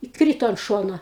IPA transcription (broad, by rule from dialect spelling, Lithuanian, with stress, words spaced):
ɪ ˈkrʲiːtoː ɐnt ˈʃoːnoː